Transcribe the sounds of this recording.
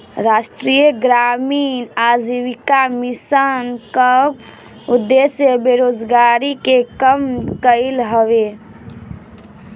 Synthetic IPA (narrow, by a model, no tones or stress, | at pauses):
ɾaʃʈɾijəɡɾaːmiːnad͡ʒiwikamisankə | ud̪ːesjəbeɾoːd͡ʒɡaːɾikekəmkəɪlɦəʋe